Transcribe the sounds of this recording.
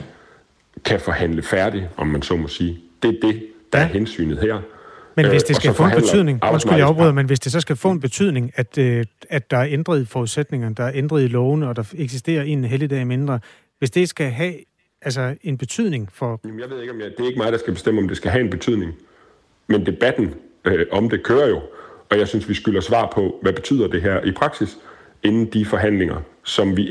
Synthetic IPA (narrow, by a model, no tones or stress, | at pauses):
kʰæfɒhæn̰ləfæɐɾ̥iʔɒ̽mːænsɒ̰mɔsiːd̥e̝æɐd̥e̝d̥ɑ̈æɐɦensy̰ːnð̩ˠhæɐ̰menʋe̝sd̥e̝sɡ̥æfɔ̰ːb̥enyð̰ˠne̝ŋɒsɡ̥ujaɒbbʁy̰ðˠmenʋe̝s̬d̥e̝sɒ̽sɡ̥æfɔ̰̽ːenb̥e̝t͡sʰyð̰ˠne̝ŋæd̥æ̥ɑ̈æɐend̥ʁɐðˠfɒuðˠsed̥ne̝ŋɐd̥ɑ̈æɐend̥ʁɐð̞ˠlɔ̽ʊnəɒ̽d̥ɑ̈eɡ̥s̬isd̥e̝̰ːɐe̝̰ːn̩ɦelid̥ɛ̰ːme̝nd̥ʁɐ | ʋe̝sd̥e̝̥sɡ̥æɦɛ | æls̬ɐe̝nb̥e̝t͡sʰyð̰ˠne̝ŋfɒ̽jmnjɑ̈ʋe̝ð̞̰ˠeɡ̥ɒ̽mjd̥e̝æɐe̝ɡəmɑ̈ːðˠd̥ɑsɡ̥æb̥e̝sd̥eməɒ̽md̥e̝sɡ̥æɦæe̝nb̥e̝t͡sʰyð̰ˠne̝ŋ | mend̥e̝b̥æd̥n̩ʔɒ̽md̥e̝kʰøːɐjo̝ɒ̽jɑ̈ɪsynsʋisɡ̥ylɐsʋɑ̰̈ːpʰɒ̽ʋæb̥e̝̥t͡sʰy̰ð̰ˠɐd̥e̝ɦæɐ̰ʔipʰʁɑ̈ɡ̥sis | e̝nn̩d̥ifɒ̽ɦæn̰leŋɐ | sɒ̽mʋi